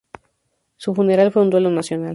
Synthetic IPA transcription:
sufune̞ɾalfwe̞und̪we̞lonasjo̞nal

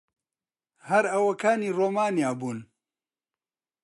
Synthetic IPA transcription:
hɐɾɐwɐkʰaːniːroːmaːnjaːbuːn

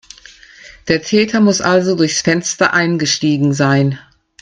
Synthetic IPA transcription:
d̥eːɐtʰɛːtʰɐmʊsʔalzodʊɐçsfɛnstɐʔaɪnɡəʃtiːɡŋ̩zaɪn

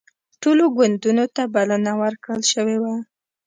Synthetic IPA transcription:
ʈoloɡwand̪unot̪abalanawəɾkɽəlʃəwewa

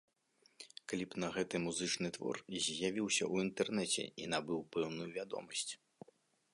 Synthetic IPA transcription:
kalʲipnɐɣɛt̪ɨmuzɨt͡ʂnɨt̪vɔ̰rzʲjavʲiwsʲɐ̰ʔuint̪ɛrnɛt͡sʲɛ̰in̪abɨwpɛwnujuvʲad̪ɔ̰mɐsʲt͡sʲ

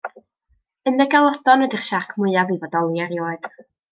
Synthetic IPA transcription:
ənɛɡalˠɔdɔnədiχʃakʰmʊɨaviːvɔdɔlˠjaɾjoːɨd̥

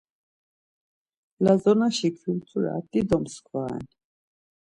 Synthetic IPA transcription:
lazɔnaʃikʰilt͡sʼuɾa̰d̪ʼid̪ɔmskʰvaɛ̰n

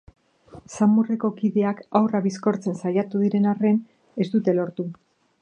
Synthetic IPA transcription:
samure̞ko̞kiðe̞akawraβisko̞ɾt͡se̞nsajat̪uðiɾe̞nare̞n | e̞zd̪ut̪e̞lo̞ɾt̪u

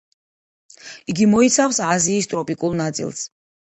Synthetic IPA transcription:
iɡimɔit̪sʰafsaziːst̪ʼɾɔpʼikʼulˠnat̪sʼḭlˠs

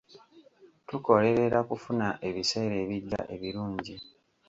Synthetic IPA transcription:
tuko̞le̞ɾe̞ɾakufunaʔe̞βise̞ːɾe̞ːβiɟːa̰ʔe̞βiɾuːɲɟi

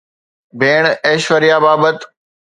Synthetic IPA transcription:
bʱeːɳ̃eːʃʋəɾijaːbaːbət̪

